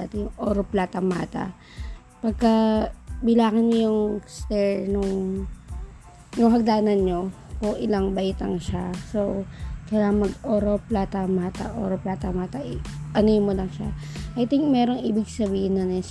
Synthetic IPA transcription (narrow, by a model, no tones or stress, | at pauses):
at̪ɛjʊŋʔoːɾoplaːt̪ɐŋmaːt̪ɐ̰ | pɐɡ̚kɐbɪlaːkɐnmojʊŋst̪ɛɹnʊŋ | nʊŋɦɐɡ̚d̪aːnɐnɲokʊŋʔɪlaŋbɐʔɪt̪ɐŋʃasokɐjaɐŋmɐɡoːɾoplaːt̪ɐmaːt̪ɐ̰ʔo̰ːɾoplaːt̪ɐŋmaːt̪ɐʔʔɐnomolɐŋʃa̰ʔɐjt̪ɪŋkmɛːɾoŋʔiːbɪɡsɐbiːhɪnːɐnɐ